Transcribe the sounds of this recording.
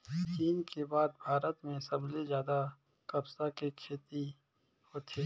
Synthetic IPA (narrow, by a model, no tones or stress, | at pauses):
t͡ʃiːnkebaːd̪̚bʱaːɾət̪mẽsɐblezjaːd̪a | kɐbsakekʰeːt̪i | hot̪ʰeː